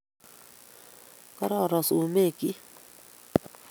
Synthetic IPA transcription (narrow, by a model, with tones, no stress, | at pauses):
ka˦ɾɔ˦˨ɾɔ˨su˨me˦˨ki˦